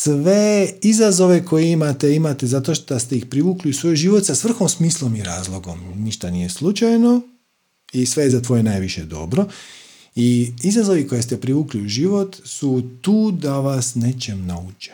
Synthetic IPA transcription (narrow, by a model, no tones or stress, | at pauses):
sʋeizazo̞ʋe̞kʰo̞jeimat̪e̞imat̪e̞zat̪o̞ʃtd̪ast̪e̞ixpɾiʋuːkliusʋo̞jʒiːʋot̪sasʋr̩xomsmiːslˠo̞miɾa̰ːzlˠo̞ɡo̞mniʃt̪anije̞slˠut͡ʃajno̞ | isʋe̞jezat̪ʋo̞jenajʋiʃe̞d̪o̞̰bɾo̞ | iizazo̞ʋiko̞je̞st̪epɾiʋuːkliuʒiʋo̞t̪sut̪uːd̪aʋasnet͡ʃemnaut͡ʃe̥